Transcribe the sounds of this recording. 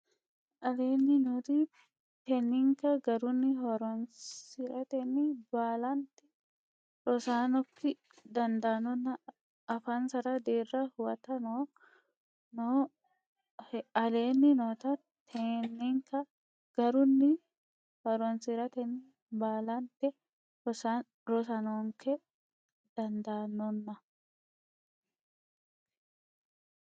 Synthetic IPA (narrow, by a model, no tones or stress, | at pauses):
ʔɐleːnːɪnot̪i | t̪ɛnːɪŋkɐɡɐɾʊnːɪhɔɾɔnsɪɾɐt̪ɛnːɪbaːlɐnt̪ɪ̥ | ɾɔsaːnɔkːɪ | d̪ɐnd̪ɐnɔnːɐː | faːnsɐɾɐd̪eːrːɐhʊwɐt̪ɐno | no | ɐle̞ːnːɪnoːt̪ɐ | t̪ʰenːiŋkɐ | ɡ̥ɐɾʊnːɪ | bɐɾɔnsɪɾɐt̪ɛnːɪ | baːlɐnt̪ːɛ | ɾɔsɐnɔːŋkɛ | d̪̥ɐnd̪anːɔnːɐ